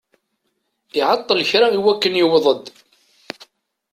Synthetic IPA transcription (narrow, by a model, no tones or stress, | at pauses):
ɪʕɑt̪ˤːələçɾaiwækːənjɪwðˤəd̪